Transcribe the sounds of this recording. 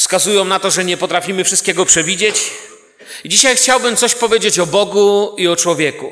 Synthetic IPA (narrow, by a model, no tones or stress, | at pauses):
fskazujɔ̃w̃nat̪ɔʐɛɲɛpɔt̪ɾafʲimɘfʂɘst̪kʲɛɡɔpʂɛvʲid͡ʑet͡ɕ | d͡ʑiɕajxt͡ɕawbɘmt̪sɔɕpɔvʲjed͡ʑet͡ɕɔbɔɡuiɔt͡ʂwɔvʲjɛku